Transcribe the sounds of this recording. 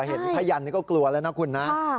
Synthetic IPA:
ɦe˨˩t̪̚pʰa˧˥˩ja˧˩ni˦˧kɔ˥˩klu˧ɐlaː˦˥na˦˥˩kʰu˧nːa˦˥

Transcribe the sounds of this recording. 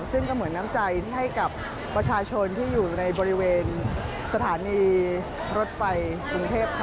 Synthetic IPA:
sɯ˥˩ŋkɔː˥˩mɯ˩˦ənːa˦˥mt͡ɕa˧jt̪ʰi˥˩ɦa˥˩jka˨˩pː | ɾa˧t͡ɕʰaː˧t͡ɕʰo˧nt̪ʰiː˥˩juː˨˩na˧jbɔː˧ɾi˦˥weː˧n | sa˧t̪ʰaː˩˦niː˧ | ɾo˦˥t̪̚fa˧jkɾu˧ŋt̪ʰeː˥˩p̚kʰ

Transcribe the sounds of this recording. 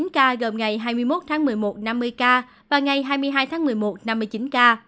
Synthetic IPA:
nkaː˧ɣə˨˩mŋa˨˩jɦaː˧jmɨ˧əjmo˦˥t̚t̪ʰaː˨˦ŋmɨ˨˩əjmo˨˩t̚na˧mːɨ˧əjkaː˧ | vaː˨˩ŋa˨˩jɦaː˧jmɨ˧əjɦaː˧jt̪ʰaː˨˦ŋmɨ˨˩əjmo˨˩t̚na˧mːɨ˧ət͡ɕi˨˦nkaː˧

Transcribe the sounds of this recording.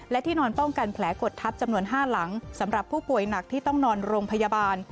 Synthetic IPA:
lɛ˦˥t̪ʰiː˥˩nɔː˧npɔ˥˩ŋka˧npʰlɛː˩˦˥ko˨˩t̪ʰːa˦˥p̚t͡ɕa˧mnu˧ənɦaː˥˩la˩˦ŋsa˩˦mɾa˨˩pʰːuː˥˩pu˨˩əjna˨˩k̚t̪ʰiː˥˩t̪ɔ˥˩ŋnɔː˧nɾoː˧ŋpʰa˧jaː˧baː˧n

